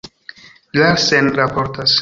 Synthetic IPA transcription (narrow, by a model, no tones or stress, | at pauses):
lasenɾapoɾtas